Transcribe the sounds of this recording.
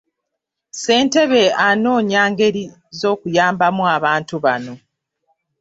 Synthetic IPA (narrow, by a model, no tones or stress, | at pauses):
se̞ːnte̞βe̞ano̞ːɲaːŋɡe̞ɾi | zo̞ːkujaːmbamuaβaːntuβano̞